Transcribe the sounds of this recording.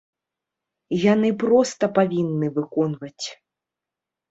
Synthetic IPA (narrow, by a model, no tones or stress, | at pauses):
janɨpɾɔst̪ɐpavʲinːɨvɨkɔnvɐt͡sʲ